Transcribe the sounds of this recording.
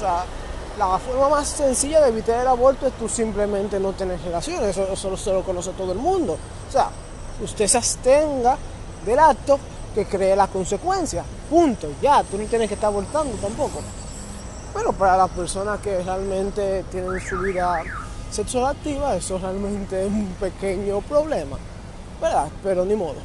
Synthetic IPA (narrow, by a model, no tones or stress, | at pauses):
osea | lafo̞ɾmamasːe̞nsiʝaðeːβit̪aɾelaβo̞ɾt̪oest̪usimplemẽnt̪e̞no̞t̪enesrelasjo̞nsesosoloselokono̞s̬et̪o̞ðoe̞lmũnd̪o̞ | osea̰ | ust̪e̞seast̪eŋɡa | ðe̞lak̚t̪o̞ | ke̞kɾe̞ːlasko̞nse̞kwe̞nsja | punt̪oʝat̪unot̪jenekest̪aɾβolt̪and̪ot̪ampo̞ko̞ | pe̞ɾo̞paɾalaspe̞ɾso̞naske̞realmẽ̞nt̪e̞t̪je̞nensuβiða | seksolakt̪iβaesorealmẽ̞nt̪e̞sumpe̞keɲo̞pɾo̞βle̞ma̰ | beɾape̞ɾo̞nimo̞ðo